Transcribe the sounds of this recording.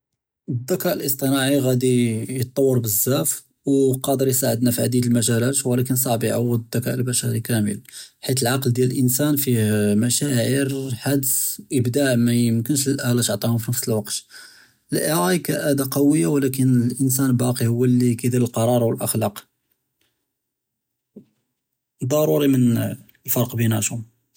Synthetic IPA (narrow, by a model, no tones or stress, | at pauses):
əd̪ːækæʔəlʔəst̪ˤənɑʕiɣæd̪ijət̪ˤːɑwːəɾˤbəzːæf | wqɑd̪əɾjsaʕəd̪næfiʕd̪id̪əlmæʒælæt̪wlækənsˤɑʕbiʕawːəd̪ːækæʔəlbæʃæɾikæmə̰lħit̪̬əlʕɑqld̪jæləlʔənsænfihmæʃæʕəɾħad̪sʔəbd̪aʕmæjəmkənʃləlʔælæt̪oʕt̪ˤihʊmfinəfsəlwɑqt̪ | ʔəlʔəɾˤɑkæʔæd̪aqɑwəjːawlæk̬ənlʔənsænbɑqihʊwːlːikæd̪iləlqɑɾˤɑɾˤwəlʔəxlɑq | d̪ˤːɑɾˤuɾimən | lfɑɾˤqbinhæ̰ʃum